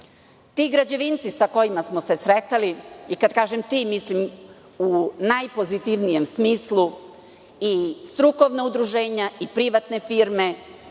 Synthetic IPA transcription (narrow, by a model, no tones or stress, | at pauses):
t̪iːɡɾad͡ʑe̞ʋint̪sisako̞jimasmo̞se̞sɾet̪aliikad̪̚kaːʒemt̪iːmislim | unajpo̞zit̪iʋnije̞msmiːslˠu | ist̪ɾuko̞ʋnaud̪ɾuʒe̞ːɲaipɾiʋat̪ne̞fiːɾme̞